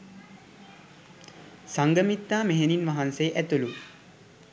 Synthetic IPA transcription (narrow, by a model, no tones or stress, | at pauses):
saŋɡəmit̪ːaːmeɦeninʋaɦansejʔæt̪ulu